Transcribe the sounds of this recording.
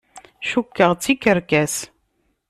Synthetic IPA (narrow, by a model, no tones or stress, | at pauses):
ʃukːəʁt͡sːikːəɾkæs